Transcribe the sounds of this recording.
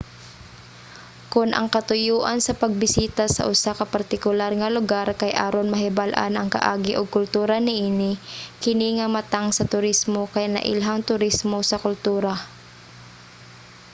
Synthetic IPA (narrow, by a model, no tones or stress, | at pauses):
kʊnʔɐ̰ŋkɐt̪ʊjuːʔɐnsɐpɐɡ̚bɪsiːt̪asɐ̰ʔʊsakɐpɐɾt̪ɪkʊlaɾŋɐlʊɡaɾkɐjʔa̰ːɾonmɐɦɪbalʔa̰nʔɐŋkɐ̰ʔaːɡɪʔʊɡ̚kʊlt̪uːɾɐnɪʔiːnɪkɪniŋɐmɐt̪aŋsɐt̪ʊɾismokɐjanɐ̰ʔɪ̰lɦaŋt̪ʊɾɪsmosɐkʊlt̪uːɾa